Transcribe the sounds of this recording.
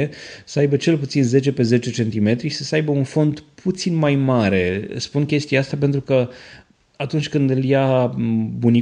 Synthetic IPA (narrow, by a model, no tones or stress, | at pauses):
esəajbət͡ʃe̞lput̪sinze̞t͡ʃe̞pe̞ze̞t͡ʃe̞t͡ʃe̞nt̪ime̞t̪ɾisəsəajbəunfo̞nd̪pʰut̪sinmajmaɾe̞̰spunkʲe̞st̪ijaast̪ap̬e̞nt̪ɾukə | at̪unt͡ʃʲkɨnd̪ɨlja | buni